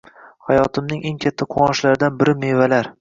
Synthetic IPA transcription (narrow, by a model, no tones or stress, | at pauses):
hajɒt̪ʰɪmnɪŋʔe̞ŋkʲʰat̪ʰːaqʰʊɒʃlaɾɪd̪anbɪɾɪme̞valaɾ